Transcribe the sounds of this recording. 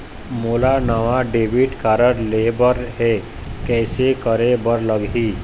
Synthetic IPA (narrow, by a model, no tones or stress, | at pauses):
moːlanəʋaɖeːʋɪʈkaːɾəɽleːbəɾɦɛ | kɛːsekəɾebəɾləɡɦiː